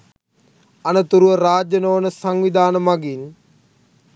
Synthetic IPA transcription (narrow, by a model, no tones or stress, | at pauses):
ɐnɐt̪uɾuʋɐɾaːd͡ʒjɐnoːnɐsɐŋʋid̪ʱaːnɐmɐɡin